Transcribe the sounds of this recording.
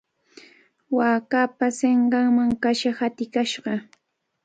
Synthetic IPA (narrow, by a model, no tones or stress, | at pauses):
waːkapaseɴɢɑŋmaŋkaʃahat̪ɪkaʃɢɑ